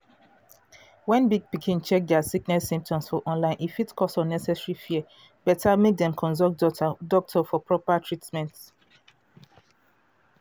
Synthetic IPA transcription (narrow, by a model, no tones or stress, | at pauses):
wɛ̃nbiɡ̚pikʰĩnt͡ʃɛk̚dɛasiknɛsĩmp̚tʰɔ̃msfɔʔɔ̃nlãɪ̃nʔifitkʰɔsɔ̃nɛsɛsɹifiɛ | b̥ɛtʰamek̚d̪ɛ̃mkʰɔ̃nzɔkdɔk̚tʰɔfɔpʰɹɔpatʰɹitmɛ̃nt